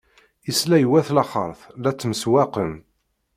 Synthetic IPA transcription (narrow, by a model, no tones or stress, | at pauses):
islæjwæθlɑχə̰ɾˤθlæt͡sːməswæqəm